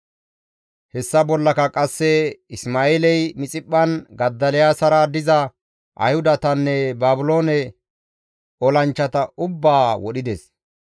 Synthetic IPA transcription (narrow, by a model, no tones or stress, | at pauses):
hɛsːɐbɔlːɐkɐkʼɐsːɛɪsmaːeːlɛjmɪt͡sʼɪpʼːɐnɡɐd̪ːɐlɛjaːsɐɾad̪ɪzɐ | ʔɐ̰jhʊd̪ɐt̪ɐnːɛbaːbʊlo̞ːnɛ | ɔlɐnt͡ʃːɐt̪ɐʊbːaːwɔɗɪd̪ɛs